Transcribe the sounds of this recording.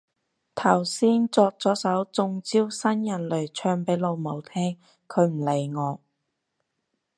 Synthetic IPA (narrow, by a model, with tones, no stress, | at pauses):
t̪ʰɐ˨˩wsiː˥nt͡sɔː˧k̚t͡sɔː˨˥sɐ˨˥wt͡sʊ˧ŋt͡siː˥wsɐ˥njɐ˨˩nlɵ˨˩ɥt͡ʃʰœː˧ŋpe˨˥jlo˨˧wmo˨˩wt̪ʰɛː˥ŋ | kʰɵ˨˧˥ɥm̩˨˩le˨˩jŋɔː˨˧